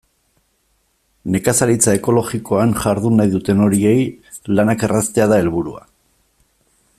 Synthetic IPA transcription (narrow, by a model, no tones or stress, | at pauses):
ne̞kasaɾit͡sae̞ko̞lo̞ɣiko̞anʝaɾðunajðut̪e̞no̞ɾie̞jlanake̞rast̪e̞aðae̞lβuɾua̰